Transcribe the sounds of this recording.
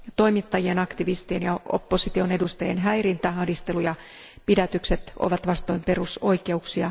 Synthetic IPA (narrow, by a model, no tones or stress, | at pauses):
t̪o̞imit̪ːɑjienɑkt̪iʋist̪ienjɑo̰pːosit̪io̞ne̞dust̪eenɦæjrint̪æhɑhdist̪elujɑ | pidæt̪ykset̪ʔo̰ʋɑt̪ʋɑst̪o̞jmpe̞ruso̞ike̞uksiɑ